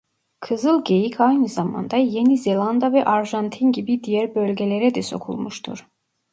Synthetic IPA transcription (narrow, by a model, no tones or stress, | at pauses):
kʰɯzɯlˠɟe̞jicʰajnɯzɑmɑ̰nd̪ɑjenizelˠand̪avɛʔaɾʒant̪ʰinɟibid̪ijæɾbølʲɟelʲeɾɛd̪ɛso̞̰kʰṵlˠmuʃt̪ʰṵɾ̥